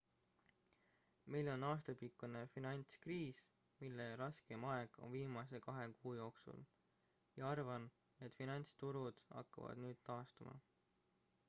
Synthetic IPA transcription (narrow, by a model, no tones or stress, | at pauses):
mejlo̞nɑːst̪ɑpikːˑune̞finɑnʲt̪skriːs | milːeɾɑske̞mɑe̞ɡ̥o̞̰nviːmɑse̞kɑɦe̞kuːjo̞ːksṵl | jɑɑrvɑn | e̞t̪ːˑfinɑnʲt̪st̪uɾud̪̥ɑ̰kːɑ̰vɑ̰d̪̥nyːd̪̥t̪ɑːst̪umɑ̰